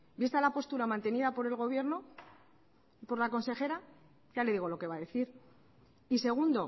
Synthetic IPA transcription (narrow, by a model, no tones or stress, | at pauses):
bist̪alapo̞st̪uɾamãnt̪e̞niðapo̞ɾe̞lɣ̞o̞β̞je̞ɾno̞ | po̞ɾlako̞nse̞xe̞ɾa | ʝale̞ðiɣolo̞ke̞βaðe̞θiɾ | ise̞ɣ̞und̪o̞